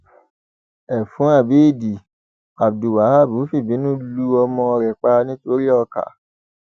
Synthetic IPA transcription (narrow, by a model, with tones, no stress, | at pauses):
ɛ˨fũ˨˦a˦˨be˦˨di˨ | a˨bdu˨wa˨ha˦˨bu˨˦fi˦˨bĩ˨˦nũ˦lu˧ɔ˧mɔ̃˧ɔ˧ɾɛ˨k͡pa˧nĩ˦to˦ɾi˦ɔ˧ka̰˨